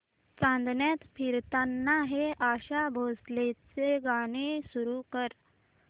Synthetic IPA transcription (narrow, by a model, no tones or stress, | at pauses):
t͡sãnd̪njat̪fiɾt̪anːaɦeʔaɕabʱoslet͡seɡaɽ̃esuɾukəɾ